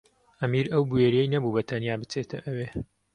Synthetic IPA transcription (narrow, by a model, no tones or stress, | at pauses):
ʔɐmiɾɐwbueːɾejnɐbubɐt̪ʰɐnjaːbɨt͡set̪ʰɐʔɐweː